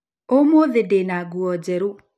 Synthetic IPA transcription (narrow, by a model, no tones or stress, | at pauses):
omoðedenaɡuɔd͡ʑɛɾu